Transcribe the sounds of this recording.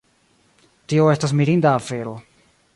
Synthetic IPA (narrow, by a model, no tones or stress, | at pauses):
tio̞e̞stas̬miɾindaːfe̞ɾo̞